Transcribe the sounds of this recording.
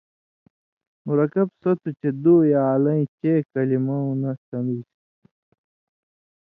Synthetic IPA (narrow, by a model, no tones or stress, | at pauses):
muɾɐkɐbsot̪ut͡ɕed̪uːjaːlɐ̃ĩt͡ɕeːkɐlimɐw̃nɐsɐmis